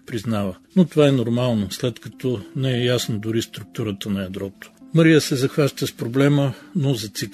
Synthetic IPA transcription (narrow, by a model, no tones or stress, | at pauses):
pɾiznavənot̪ovaɛnoɾmalˠnoslɛt̪kɐt̪ɔnɛɛjasnod̪ʊɾist̪ɾʊk̚t̪uɾət̪ənɐjɐd̪ɾɔt̪o̥məɾijəsɛzɐxvaʃt̪əspɾoblɛmənozɐt̪sik